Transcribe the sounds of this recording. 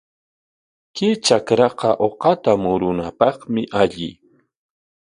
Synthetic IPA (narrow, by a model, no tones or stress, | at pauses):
kɪt͡ʃakɾɑqɑʔoqɑt̪amʊɾʊnapɑχmɪʔaʎɪ̰